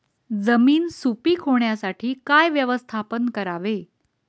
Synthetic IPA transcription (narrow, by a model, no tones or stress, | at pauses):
d͡zəmiːnsupiːkʰoɳjasaʈʰiːkajʋjəʋəst̪ʰapənkəɾaʋe